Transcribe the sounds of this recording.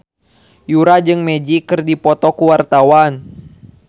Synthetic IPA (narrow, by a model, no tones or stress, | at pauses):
juɾad͡ʒɨŋmɛd͡ʒikɨrdipɔt̪ɔkuwart̪awan